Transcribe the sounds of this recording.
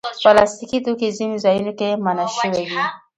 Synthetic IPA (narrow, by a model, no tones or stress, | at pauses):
palast̪ikit̪okizinizajunokemanaʃəwewi